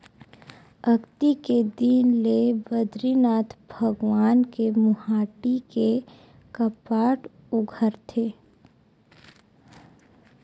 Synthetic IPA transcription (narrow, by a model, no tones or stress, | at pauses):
əɡt̪iked̪iːnlebəd̪ɾinaːt̪ʰbʱəɡwaːnkemʊhaːʈike | kəpaːʈ | ʊɡʱəɾt̪ʰeː